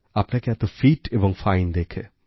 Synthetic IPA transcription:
apnekjat̪ofiːʈeʋə̃ŋfãɪnd̪eːkʰe

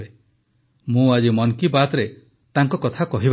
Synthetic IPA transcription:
e | mũad͡ʒimɔŋkibat̪ɔɾe | t̪aŋkɔkɔt̪ʰakɔɦib

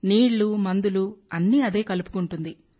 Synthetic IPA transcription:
niːɭlumɐnd̪uluɐnːiɐd̪e̞ːkɐlupu̥kuɳʈund̪i

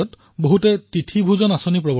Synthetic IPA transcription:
ɔt | boɦutɛtitʰibʱuzɔnasonipɹɔbɔ

